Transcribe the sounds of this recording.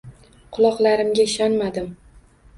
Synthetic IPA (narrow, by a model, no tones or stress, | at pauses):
qʰʊlˠɒqlˠaɾɪmɡʲaɪʃɒnmad̪ɪm